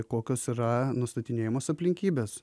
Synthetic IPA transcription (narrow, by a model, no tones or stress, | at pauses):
koːkʲoːsiɾɐnʊst̪ɐt̪ʲɪnʲeːjɪmoːsɐpʲlʲɪŋʲkʲiːbʲeːs